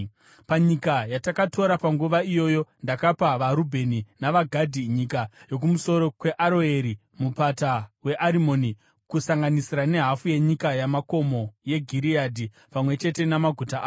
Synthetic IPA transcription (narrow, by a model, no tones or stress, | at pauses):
paɲikajatakatʰo̞ɾapaŋɡuʋaijo̞ːjo̞ndakapaʋaɾubʱe̞ninaʋaɡʱadʱiɲikajo̞k̬umuso̞ɾo̞kwe̞ʔaɾo̞eɾi | mupatawe̞ʔaɾimo̞ni | kusaŋɡanisiɾane̞ɦafuje̞ɲikajamako̞mo̞je̞ɡʱiɾiadʱi | pamwe̞t͡ʃe̞te̞namaɡʱutaʔː